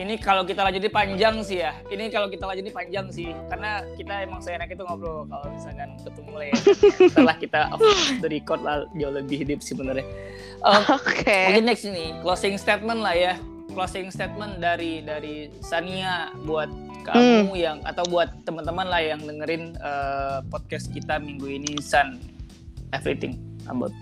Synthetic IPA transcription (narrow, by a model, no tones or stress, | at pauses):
inikalokit̪alad͡ʒut̪nipaɲd͡ʒaŋsihjainikalokit̪alaɲd͡ʒut̪ipaɲd͡ʒaŋsɪhkarnakit̪aemaŋsajanakit̪uŋaplokalomisakanət̪umulajat̪əlahkit̪adəɾikɔt̪̚lahd͡ʒauləbɪhɦidʊp̚sɪhbənərɲa | ʔəmokekinːɛksniklɔsɪŋst̪et̪̚mənlahja | klosɪŋst̪et̪̚məndaɾidaɾi | saniabuat̪̚ | ka̰ʔamujaŋa̰t̪awbuat̪ːəmənt̪əmanlahjaŋdəŋəɾɪnəpɔt̪̚kɛs̚kit̪amiŋɡuinisan | ɛfɾit̪ɪ̰ŋə̰ba̰ʊt̪̚